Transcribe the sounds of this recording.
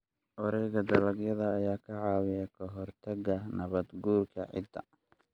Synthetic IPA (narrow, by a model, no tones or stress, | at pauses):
ʔɔɾɛjɣɐd̪ɐlɐɡjɐðɐːjaːkʰɐʕɑːwɪjɐkʰɐɦɔrt̪ʰɐɣɐnɐβɐd̪ɡuːrkʰɐʕɪ̰d̪ɐ̰